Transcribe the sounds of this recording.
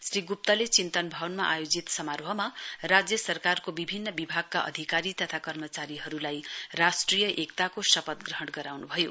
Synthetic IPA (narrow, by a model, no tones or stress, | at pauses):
sriɡup̚t̪ʌlet͡sint̪ʌnbʱʌwnmaʔajod͡zit̪sʌmarbʱʌmarad͡zjʌsʌrkarkobibʱinːʌbibʱaɡ̚kaʔʌ̰d̪ʱikaɾit̪ʌt̪ʰakʌrmʌt͡saɾiɦʌɾulajrasʈrijʌʔekt̪akosʌpʌt̪̚ɡrʌɦʌɽɡʌɾawnubʱʌjo